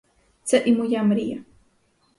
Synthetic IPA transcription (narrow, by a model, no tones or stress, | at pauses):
t͡saʔimʊjamɾija